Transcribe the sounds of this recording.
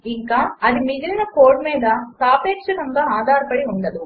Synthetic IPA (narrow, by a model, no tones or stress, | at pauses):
iŋkaːɐd̪imiɡ̪iɾinɐkoːɾɖmiːd̪ɐt̪aːpeːkʂɐkɐŋɡaːaːd̪ʱaːɾɐpɐɽiuɳɖɐd̪u